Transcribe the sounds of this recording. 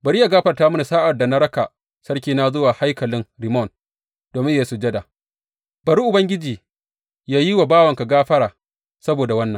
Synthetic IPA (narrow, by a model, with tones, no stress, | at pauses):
bɐ˨ɽi˦ja˨ɡaː˦ɸɐ˨rtaː˦mʊ˦ni˨saː˦ʔa˨rda˨na˦ɽɐ˦ka˨ | sɐ˦ɽkʲiː˦na˦zʊ˦waː˨ha˦jkɐ˨lɪ˦ŋɾɪ˨mɔ˦˨n | d̥oː˨mɪ˦ja˦i˦su˨d͡ʒɐ˦da˨ | bɐ˨ɾi˦ʔʊ˨bɐ˦ŋɡʲɪ˦d͡ʒiː˨ | jaː˦ji˦wa˨baː˦wɐ˨ŋka˨ɡaː˦ɸɐ˦ɽaː˨ | sɐ˦boː˨da˨wɐ˦nːɐ˨ŋ